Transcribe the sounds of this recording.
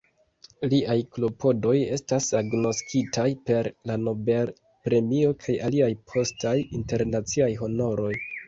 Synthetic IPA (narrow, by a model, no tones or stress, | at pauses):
liʔajklo̞pʰo̞do̞je̞stasaɡno̞skitʰajpe̞ɾlano̞be̞l | pɾe̞mio̞kʰajaliajpʰo̞stajinte̞ɾnat͡siajɦo̞no̞ɾo̞j